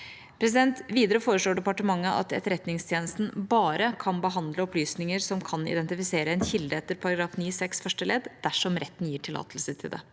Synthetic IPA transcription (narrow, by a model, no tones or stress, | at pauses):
pʰɾɛs̬ɪd̪ɛnt̪ʋiːd̪əɾəfoːɾəʂloːɖɛpɑʈəmɑŋːəʔɑ̰t̪ɛt̪əɾɛt̪nɪŋst̪ʰjeːnəst̪n̩bɑːɾəkʰɑnbəɦɑnd̪ləɔplyːsnɪŋəɾsɔmkʰɑnɪ̰d̪ɛnt̪ɪfɪseːɾəɛnçɪld̪əɛt̪ːəɾpʰɑɾɑɡɾɑːfniːsɛksfœʂʈəlɛːd̪d̪æʂɔmɾɛt̪ːn̩jiːʈʰɪlːɑ̰ːt̪ʰəlsəʈʰɪld̪ɛ̰